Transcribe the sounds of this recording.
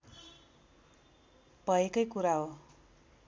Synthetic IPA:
bʱʌekʌjkuɾaɦo

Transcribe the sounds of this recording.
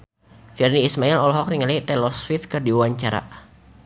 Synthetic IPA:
firniːsmailɔlɦɔk̚niŋalajt̪ɛlɔsfifkɨrdiwaɲt͡ʃaɾa̰

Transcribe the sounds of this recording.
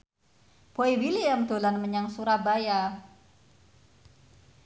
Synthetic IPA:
b̥oiwiliamd̪olanməɲaŋsuɾabaja

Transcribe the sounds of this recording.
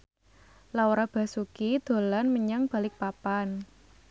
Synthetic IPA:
lawɾab̥a̤sukid̪̥o̤lanməɲaŋb̥ä̤lɪk̚papan

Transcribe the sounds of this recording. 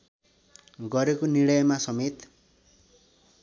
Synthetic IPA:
ɡʌɾekoniɽʌjʌmasʌmet̪

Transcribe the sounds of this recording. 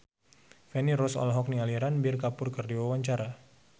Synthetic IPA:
fɛniɾɔsɔ̰lɦɔk̚nialiɾanbirkapʊrkɨrdiwawaɲt͡ʃaɾa

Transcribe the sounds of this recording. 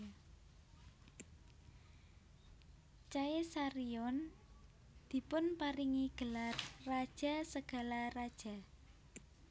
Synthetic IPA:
t͡ʃaesaɾiɔn | d̪̥i̤pʊnpaɾiŋiɡ̥əlarːad̥ʒ̥a̤səɡ̥a̤larad̥ʒ̥a̤

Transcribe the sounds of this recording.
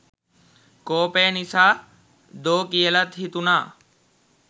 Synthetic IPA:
koːpeːnisaː | d̪oːkijelət̪ɦit̪unaː

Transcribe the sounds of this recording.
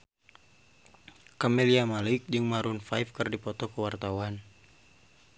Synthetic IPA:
kamɛliamalɪk̚d͡ʒɨŋmaɾunfajfkɨrdipɔt̪ɔkəwart̪awan

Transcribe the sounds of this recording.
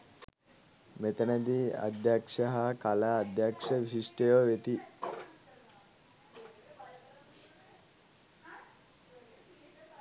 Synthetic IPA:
met̪ɐnɐd̪iɐ̰d̪ʱjakʂɐɦɐkalaːd̪ʱjakʂɐʋisiʂʈəjoʋet̪i

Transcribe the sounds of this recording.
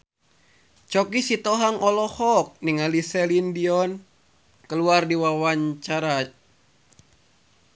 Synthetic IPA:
t͡ʃɔkisit̪ɔɦaŋʔɔlɔhɔk̚niŋalisɛlindiɔn | kəluardiwawaɲt͡ʃaɾa

